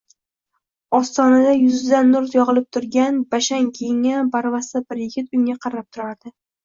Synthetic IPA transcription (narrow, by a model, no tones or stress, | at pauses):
ɒst̪ɒnad̪ajʊzd̪anːʊɾt̪jɒʁɨlˠɪp̚t̪ʰʊɾɡʲanbaʃaŋkʲʰejɪŋabaɾvast̪abɪɾjɪɡʲɪt̪ʊŋaqʰɑɾap̚t̪ʰʊɾaɾd̪ɪ